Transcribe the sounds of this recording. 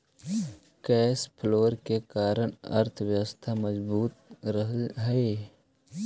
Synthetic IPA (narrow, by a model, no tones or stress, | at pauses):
kɛːspʰloːɾkekaːɾəɽɐ̰ɾt̪ʰwjəwəst̪ʰaməzbuːt̪̚ɾəɦɦe